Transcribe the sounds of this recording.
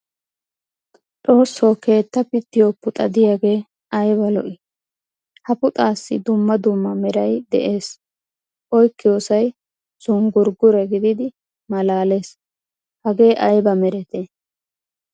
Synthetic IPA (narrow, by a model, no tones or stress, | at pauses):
t̪ʼo̞ːsːoːke̞ːt̪ːɐpɪt̪ːɪjopːʊt̪ʼɐd̪ɪjaːɡe̞ː | ɐjbɐlɔ̰ʔɪ | hɐpʊt̪ʼaːsːɪ̰d̪ʊmːɐd̪ʊmːɐmɛɾɐjd̪ɛ̰ʔe̞ːs | ʔɔjkːɪjoːsɐj | z̥ʊŋɡʊɾɡʊɾɛɡɪd̪ɪd̪ɪ | mɐlaːle̞ːs | hɐɡe̞ːʔɐjbɐmɛɾɛt̪eː